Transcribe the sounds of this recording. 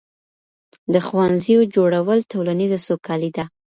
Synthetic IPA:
d̪əxwanzijod͡ʒoɽawəlt̪olanizasokɑlid̪a

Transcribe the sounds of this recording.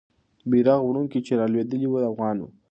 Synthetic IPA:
biɾaɣwɽuŋkit͡ʃeɾɑlwed̪əliwud̪afɣɑnwṵ

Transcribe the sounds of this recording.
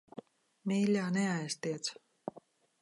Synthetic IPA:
mʲiːlʲaːnɛajst̪iɛt̪s

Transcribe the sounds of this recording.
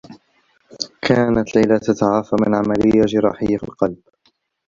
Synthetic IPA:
kʰaːnat̪lajlat̪at̪aʕaːfamɪnʕamalɪjːad͡ʒɪɾˤɑ̰ːħɪjːafɪ̰lqɑlb̥

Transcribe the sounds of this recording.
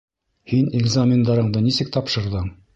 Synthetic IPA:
hinɪɡzamʲɪnd̪ɑɾɤ̆ɴd̪ɤnisɘk̚t̪ɑpʃɤ̆ɾðɤɴ

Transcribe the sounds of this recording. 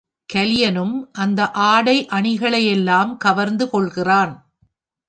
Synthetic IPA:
kɐljɐnɯmʔɐnd̪ɐʔaːɽɐɪʔɐɳɪɣɐɭɐjɛlːaːmkɐʋɐɾnd̪ɯkɔɭɣɪraːn

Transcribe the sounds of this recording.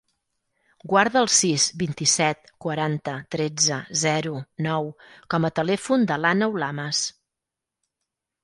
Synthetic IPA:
ɡwaɾðəːlˠsizbint̪isɛt̪̚kwəɾant̪ət̪ɾɛd͡zəzɛɾunɔwkɔmət̪əlɛfund̪əlanəwlaməs

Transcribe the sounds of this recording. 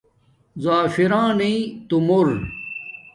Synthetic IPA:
zaːfiɾãːnit̪umoɾ

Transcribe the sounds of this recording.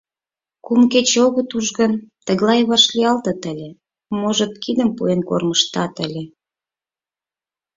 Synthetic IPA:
kumket͡ɕoɣət̪uʒɣə̆nt̪əɣlˠɑjβɑʃlʲiɑlt̪ə̆t̪əlʲe | moʒə̆t̪̚kid̪əmpuenko̰rməʃt̪ɑt̪əlʲe

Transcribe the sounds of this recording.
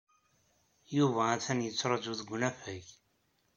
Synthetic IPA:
juvææθænjət͡sːɾˤɑd͡ʒuðɡʷnæfæç

